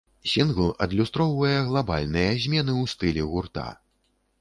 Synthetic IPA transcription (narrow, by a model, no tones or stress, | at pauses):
sʲinɣlˠʔɐd̪lʲust̪ɾɔwvɐjɐɣlˠaba̰lʲnɨjɐzʲmʲɛnɨwst̪ɨlʲɛɣurt̪a̰